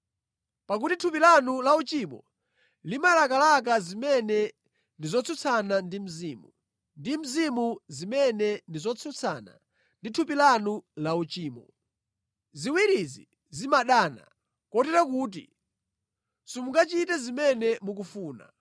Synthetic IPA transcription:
pak̬utitʰupilanulaut͡ʃimɔ̰ | limalakalak̬azimɛnɛ | ndizɔt͡sʰut͡sʰanandim̩ziːmu | ndim̩zimuzimɛnɛndizɔt͡sʰut͡sʰa̰na̰ | nditʰupilanulaut͡ʃiːmɔ̰ | ziwiɾizi | zimaɗaːna̰ | kɔtɛɾakuːt̬ḭ | sumuŋɡat͡ʃitɛzimɛnɛmuk̬ufuːna̰

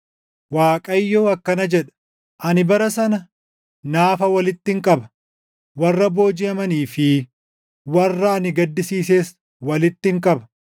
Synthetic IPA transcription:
waːkʼɐjːoːɐkːɐnɐd͡ʒɛᶑɐ̥ | ʔɐnɪbɐɾɐsɐnɐ | naːfɐwɐlɪt̪ːɪŋkʼɐbɐ̥ | wɐrːɐbo̞ːd͡ʒɪɐmɐniːfɪ | wɐrːɐːnɪɡɐd̪ːɪsiːseːs | wɐlɪt̪ːɪŋkʼɐbɐ̥

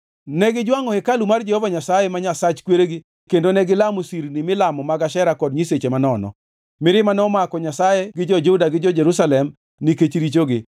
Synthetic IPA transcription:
nɛɡɪd͡ʒwaŋɔhekalumard͡ʒɛhovaɲasajemaɲasat͡ʃkweɾeɡɪ | kendonɛɡɪlamosiɾnimɪlamɔmaɡaʃɛɾakɔdɲiset͡ʃemanɔnɔ̰ | mɪɾɪmanɔmakɔɲasajeɡɪd͡ʒɔd͡ʒudaɡɪd͡ʒɔd͡ʒeɾusalɛm | niket͡ʃɾit͡ʃoɡɪ

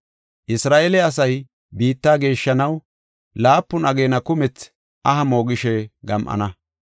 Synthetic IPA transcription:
ʔɪsɾaːʔelɛɐs̬ɐj | biːt̪ːaːɡe̞ːʃːɐnɐw | laːpːʊnɐɡe̞ːnɐkʊmɛt͡s | ʔɐɦɐmo̞ːɡɪʃɛɡɐmʔɐ̰nɐ

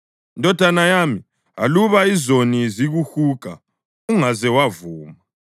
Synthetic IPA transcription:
indʱʼɔd̥ʱanajaːmi | a̰luβaizoniziɣuxuka̰ | uŋazɛwavuːma

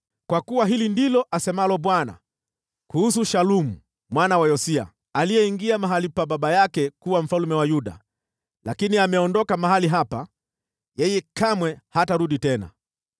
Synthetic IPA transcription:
kwakuwaɦilindilɔʔasɛmalɔɓwana̰ | kuhusuʃalumu | mwanawajɔsia̰ | alijɛiŋɡiamaɦalipaɓaɓajakɛkuwam̩falumɛwajuɗa̰ | lakiniamɛɔndɔkamaɦaliɦapa | jɛjɛkamwɛhataɾuɗitɛna̰

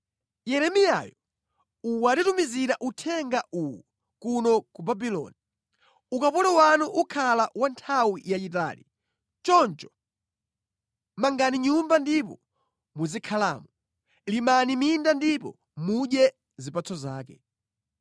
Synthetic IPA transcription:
jɛɾɛmija̰jɔ | uwatitumiziɾaʔutʰɛŋɡaʔuwu | kunɔkubabilɔ̰ni | ukapɔlɛwanuʔukʰalawantʰawijaita̰ːli | t͡ʃɔnt͡ʃɔ̥ | maŋɡaniɲumbandip̬ɔ̰ | muzikʰalaːmu | limanimindandipɔ̰ | muɗjɛ | zipat͡sʰɔza̰ːkɛ̰

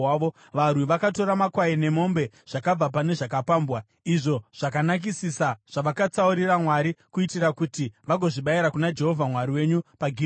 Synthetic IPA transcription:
o | ʋarwiʋakato̞ɾamakwaine̞mo̞mbe̞ | ʐ̥akab͡vap̬ane̞ʐakapaːmbwa | iʐo̞ʐ̥akanak̬isisaʐ̥aʋakat͡sauɾiramwaɾikuitirakutiʋaɡʱo̞ʐiɓaiɾakunad͡ʒe̞ɦo̞vʱamwaɾiwe̞ɲupaɡʱi

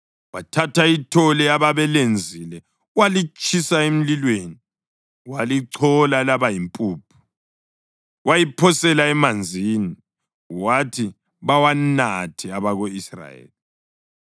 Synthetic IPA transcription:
watʰataitʰɔlɛaβaβɛlend͡zʱilɛ | walit͡ʃʼʰisaem̩lilweːni | waliǀʰɔlalaβajimpʼuːpʰu̥ | wajipʰɔsɛlaɛmand͡zʱini | watʰi | βawanatʰiaβaɣoisra̰jḛːli

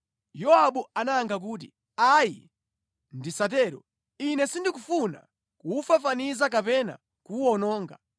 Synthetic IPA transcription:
jɔaɓuanaːŋɡak̬uːt̬ḭ | aji | ndisat̬ɛːɾɔ | inɛsindikufuna̰ | kuːfafanizak̬apɛna̰ | kuɔnɔːŋɡa

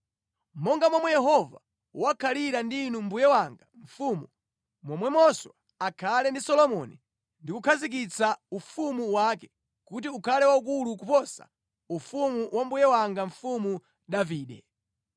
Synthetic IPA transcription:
mɔŋɡamɔmwɛjɛɦɔva̰ | wakʰaliɾandiːnumbujɛwaŋɡaɱ̩fuːmu | mɔmwɛmɔswa | akʰalɛndisɔlɔmɔ̰ni | ndikukʰazik̬it͡saufumuwakɛ | kut̬iukʰalɛwauk̬ulukupɔsa̰ | ufumuwambujɛwaŋɡaɱfumu | ɗaviːɗɛ̰

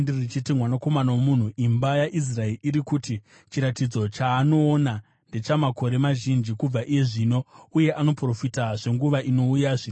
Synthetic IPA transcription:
ndirrit͡ʃitimwanako̞manawomun̤uʔimbajaʔis̬raeriɾikuti | t͡ʃiɾatid͡zo̞t͡ʃaːno̞ːna | nde̞t͡ʃamako̞ɾe̞maʒind͡ʒikub͡vaʔije̞ʐiːno̞uje̞ʔano̞pro̞fitaʐe̞ŋɡuʋaʔino̞ujaʐin

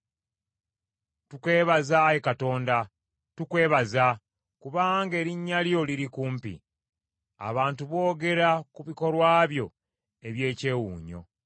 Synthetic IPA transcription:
tukwe̞ːβazajekato̞ːnda | tukwe̞ːβaza | kuβaŋɡe̞ːɾiɲːaljo̞liɾikuːmpḭ | a̰βaːntuβo̞ːɡe̞ɾakuβiko̞lwaːβjo̞ | e̞βje̞ːce̞ːwuːɲo̞̰

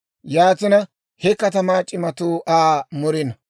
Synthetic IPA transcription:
jaːt̪ɪnɐ | hɛkɐt̪ɐmaːt͡ʃʼɪmɐt̪uːʔaːmɔɾɪnɐ

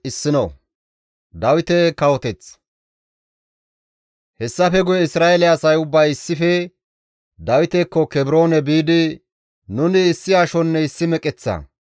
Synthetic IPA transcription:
ɪsːɪno̰ | d̪ɐwɪt̪ɛkɐwɔt̪ɛt͡s | hɛsːɐfɛɡʊjɛɪsɾaːelɛɐsɐjʊbːɐjɪsːɪfɛ | d̪ɐwɪt̪ɛkːɔkɛbɪɾo̞ːnɛbiːd̪ɪ | nʊnɪːsːɪaʃɔnːɛɪsːɪmɛkʼɛt͡sːɐ̰

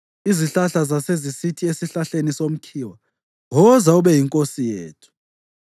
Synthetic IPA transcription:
iziɬaɬazasezisitʰiesiɬaɬenisom̩kʰiwa | ɦɔzauɓɛjiŋkʼosijeːtʰu̥

